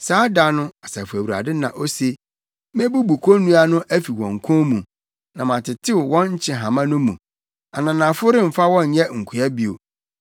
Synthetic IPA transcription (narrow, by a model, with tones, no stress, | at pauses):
saː˨˦da˦nʊ̃˦a˨sa˨fu˨æ˨wu˨ɾa̰˨dɪ˦nã˨ʔo˦se˦ | m˦ɛ̃˦bu˦bu˨kʰo˦nũ˦a˦nʊ̃˦ʔæ˦fi˨wɔ̰̃˨ŋ̩˨kʰɔ̃˦mũ˨ | nã˨mã˨tʰɪ˨tʰɪ˦wwɔ̃˦nɲ̩˦t͡ɕʰɪ̃˨ɦã˨mã˦nʊ̃˦mũ˨ | a˨nã˨nã˨fʊ˦ɾɪ˦m̩˨fa˦wɔ̃˦ɲ˨ɲɛ˦ŋ̩˨kʰu˨a˦bi˨o̰˨